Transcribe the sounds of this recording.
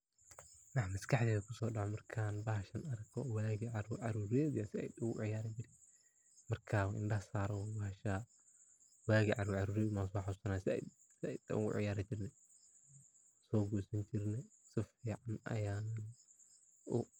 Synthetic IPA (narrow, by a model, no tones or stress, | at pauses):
nɐħmɐskʰɐħd̪ɛːðɐkʰʊsɔːɖɑʕɔmɐrkʰaːnbɐhɐʃɐnɐɾɐkɔwaːɣiʕɑɾuʕɑɾuːɾɛːd̪jɐsɪɛ̰jd̪ʊɣʊ̰ʕɪjaːɾɐbɪɾɪ | mɐrkʰaːwʔɪ̰nɖɐhsaːɾɔwbɐhɐʃa | waːɣiʕɑɾuːɾʕɑɾuːɾɛːmasaħasɐnaːsɪɛ̰j | sɪɛjt̪ɐ̰ʊɣʊ̰ʕɪ̰jaːɾɪt͡ʃɪrnɛ | sɔːɡuːsɐɲt͡ʃɪrnɛsɪfiːʕanɐ̰jaːnn | ʔʊ